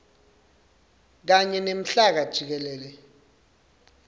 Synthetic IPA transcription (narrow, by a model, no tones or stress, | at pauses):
k̬aɲɛnem̩ɬak̬ad̥ʒ̥ʱik̬ɛlɛːlɛ